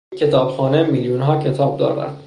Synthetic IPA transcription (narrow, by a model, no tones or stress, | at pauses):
cʰe̞t̪ʰɒːb̥xɒːnemiːljunɦɒːcʰe̞t̪ʰɒːb̚d̪ɒ̰ːɾæ̰nd̪̥